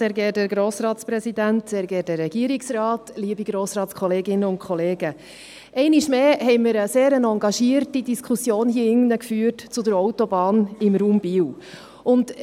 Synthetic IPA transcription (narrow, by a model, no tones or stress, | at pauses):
sɛːɾɡɛːdəɾɡɾoːsɾɑːtspɾɛsidæntsɛːɾɡɛːdɛɾːɛɡ̥iəɾiksrɑːtliəbiɡɾoːsɾɑːtskʰχɔleːɡɪnəʊntkχɔleːɡə | ʔɛɪniʃmeːɦɛɪmɪɾəseːɾənɑŋɡɑʃiːəɾtidiskʰusjoːnhiəɪŋnəkfyːərtt͡sʊd̪əɾɔʊtɔbɑːnɪmɾuːmbiːw | ʊnd